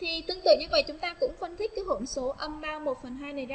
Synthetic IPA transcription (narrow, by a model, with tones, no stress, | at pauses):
t̪ʰi˨˩t̪ɨ˧əŋt̪ɨ̰˧˨ŋɲɨ˧və̰˧˨jt͡ɕʊ˨˦ŋ͡mt̪aː˧kʊ̰˧˥ŋ͡mfə˧nt̪ʰï˦˥k̟̚kːɦo˧˩nso˨˦ʔə˧mɓaː˧mo˨˩t̚fə˨˩nɦaː˧jnə˨˩jza˧